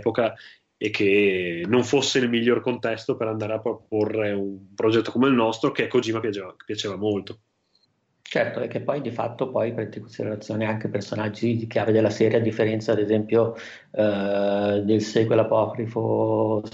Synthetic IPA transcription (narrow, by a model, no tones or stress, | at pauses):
poka | ekʰːenːoɱfosːeilmiʎːorkont̪ɛst̪opeɾand̪aːɾeapopːorːeumpɾod͡ʒɛt̪ːokomeilnɔst̪ɾokekːozimapjat͡ʃeːvake̥pːjat͡ʃeːvamolt̪o | t͡ʃɛrt̪oekːepːɔjd̪ifa̰t̪ːopɔjpɾɛnt̪ikwest̪iɾelat̪sːjoːneaŋkepersonad͡ʒːikeaved̪elːasɛːɾjad̪ːifːeɾɛnt̪saːd̪ezɛmpjo | d̪elseɡwelapɔkɾifo